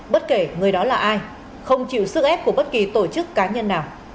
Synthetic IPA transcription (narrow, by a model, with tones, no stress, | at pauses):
ɓə˦˥t̚ke˧˩ŋɨ˨˩əjɗɔ˨˦laː˨˩ʔaː˧j | xə˧wŋ͡mt͡ɕḭ˧˨wsɨ˦˥k̚ʔɛ˦˥p̚ku˧˩əɓə˦˥t̚ki˨˩t̪o˧˩t͡ɕɨ˦˥kːaː˨˦ɲə˧nːaː˨˩w